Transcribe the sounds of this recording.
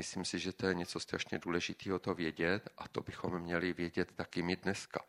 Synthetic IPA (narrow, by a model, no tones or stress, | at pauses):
ɪslimsɪʒɛt̪o̞jɛɲɛt͡so̞st̪ɾaʃɲɛduːlɛʒɪt̪iːɦot̪ovjɛɟɛt̪ʔat̪o̞bɪxo̞mːɲɛlɪvjɛɟɛt̪ːakɪmɪdnɛska̰